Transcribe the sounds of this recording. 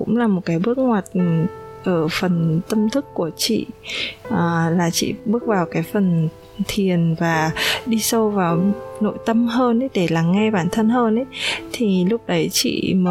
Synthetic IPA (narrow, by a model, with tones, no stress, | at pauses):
kʊ̰˧˥ŋ͡mlaː˨˩mo˨˩t̚kaː˨˦jɓɨ˦˥ək̚ŋwaː˨˩t̚ʔəː˧˩fə˨˩nt̪ə˧mt̪ʰɨ˦˥kːu˧˩ət͡ɕḭ˧˨ʔəː˨˩laː˨˩t͡ɕḭ˧˨ɓɨ˦˥ək̚vaː˨˩wkaː˨˦jfə˨˩n | t̪ʰi˨˩ənvaː˨˩ɗi˧sə˧wvaː˨˩wno̰˧˨jt̪ə˧mɦəː˧nʔə˨˦jɗe˧˩laː˨˩ŋɛ˧ɓaː˧˩nt̪ʰə˧nɦəː˧nʔə˨˦jt̪ʰi˨˩lʊ˦˥k͡p̚ɗə˨˦jt͡ɕḭ˧˨məː˨˦